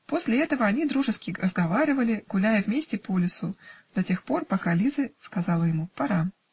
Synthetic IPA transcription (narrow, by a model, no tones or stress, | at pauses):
po̞sʲlʲɪɛt̪əvəɐnʲid̪ɾuʐɨskʲɪrʔəzɡɐvaɾʲɪvəlʲɪɡ̥ʊlʲæjəvmʲesʲtʲɪpolʲɪsʊd̪̥ɐtʲe̞xpo̞rpɐkalʲizəskɐzɑlˠəjɪmupɐɾa